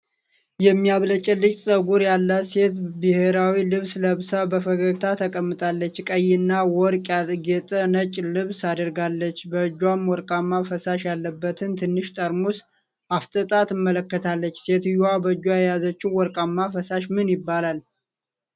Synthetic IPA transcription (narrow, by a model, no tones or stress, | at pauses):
jɛmːijaβlət͡ʃʼɛlːɨt͡ʃ̪ʼsʼəɡuɾjalːəse̞t̪bɨhe̞ɾawilɨβsləβsabəfəɡəɡt̪ʰat̪ʰəkʼəmːɨt̪ʼalːət͡ʃːkʼəjːɪnːawɔɾkʼjaɡet̪ʼənət͡ʃʼlɨβsad̪əɾɡalːət͡ʃːbəd͡ʒːwamwɔɾkʼamːafəsaʃjalːəbːət̪ʰɨnt̪ʰɨnːɨʃt̪ʼəɾmus | ʔaft̪ʼət̪ʼat̪ɨmːələkːət̪ʰalːət͡ʃːse̞t̪ɨjuwabəd͡ʒːwaɛjazət͡ʃːɪwwɔɾkʼamːafəsaʃmɨnjɪbːalal